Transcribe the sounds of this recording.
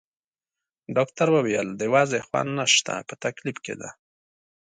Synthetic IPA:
ɖɑkt̪aɾwəwijəld̪əjwɑzexwa̰nːaʃt̪a̰pət̪aklifkḛd̪a

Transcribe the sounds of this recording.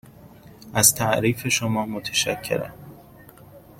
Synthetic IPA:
ʔæzt̪ʰæʔɾiːfe̞ʃomɒːmot̪ʰeʃæcʰːe̞̰ɾæ̰m

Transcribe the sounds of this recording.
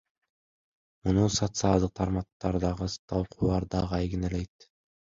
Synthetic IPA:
munusot̪sɨɑlˠd̪ɯq̚t̪ʰɑɾmɑq̚t̪ːɑɾd̪ɑʁɯt̪ʰɑlˠqʰulˠɑɾd̪ɑʁɑjɡinelejt̪

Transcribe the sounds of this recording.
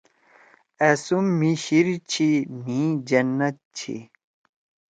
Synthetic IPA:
esumːiɕiɾt͡ɕʰimĩd͡ʑɐnːɐt̪̚t͡ɕʰḭ

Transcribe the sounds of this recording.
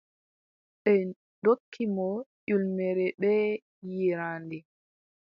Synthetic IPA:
ɓɛ | dokʰːimɔʄulmɛɾɛɓɛ | jiɾaːndɛ

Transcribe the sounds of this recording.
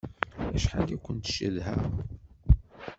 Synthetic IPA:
æʃħalækʷːənt̪ʃəðhæ̰

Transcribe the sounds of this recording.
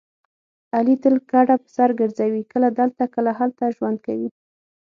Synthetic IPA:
alit̪əlkaɽapə̥saɾɡəɾzawikəlad̪əlt̪akəlaɦalt̪aʒwand̪̚kawi

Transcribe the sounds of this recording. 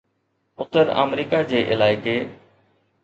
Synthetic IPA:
ʊt̪əɾə̰ːmɾiːkad͡ʑeːʔɪlaːɪkeː

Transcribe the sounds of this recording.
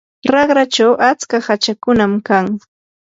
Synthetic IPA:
ɾɑχɾat͡ʃawʔat͡skahat͡ʃakʊnamkaŋ

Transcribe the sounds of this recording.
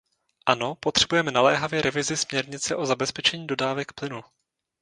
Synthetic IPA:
ʔano̞po̞t̪r̥ɛbujɛmɛnalɛːɦavjɛɾʔɛvɪzɪsmɲɛɾɲɪt͡sɛʔo̞zabɛspɛt͡ʃɛɲiːdo̞daːvɛkplɪnu

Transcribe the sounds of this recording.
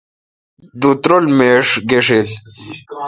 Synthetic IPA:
d̪ut̪ɾolmeːʂɡeʂil

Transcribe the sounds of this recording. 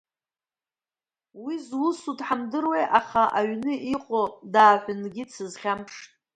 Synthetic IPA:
wizwʊsudʼħamdɨrwejʔaχaʔaɥnɨʔiqʼodaːħʷʊnɡʲɪt͡sʰɨzχʲampʂtʼ

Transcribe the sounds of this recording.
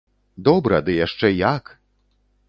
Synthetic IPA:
d̪ɔbɾɐd̪ɨjaʂt͡ʂɛjak

